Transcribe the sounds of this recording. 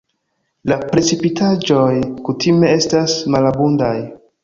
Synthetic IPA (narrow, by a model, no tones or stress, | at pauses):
lapɾe̞t͡sipitʰad͡ʒo̞jkutʰime̞e̞stasmalabundaj